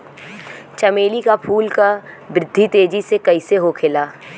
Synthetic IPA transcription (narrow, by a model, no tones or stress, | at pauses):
t͡ʃɐmeːlikapʰuːlka | bɾɪd̪ʱːit̪eːd͡ʒisekɐiseɦokʰɪlaː